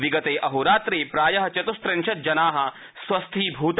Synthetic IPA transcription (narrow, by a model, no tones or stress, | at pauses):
ʋiɡɐt̪eːʔɐɦuɾaːt̪ɾeːpɾaːjɐɦɐt͡ʃɐt̪ust̪ɾẽnʃɐt̪̚d͡ʒɐnaːɦɐ̆ | swɐst̪ʰiːbʱuːt̪